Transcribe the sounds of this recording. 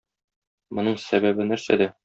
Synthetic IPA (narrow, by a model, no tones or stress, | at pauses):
mŏnɤɴsæbæbɘnæɾsæ̰d̪æ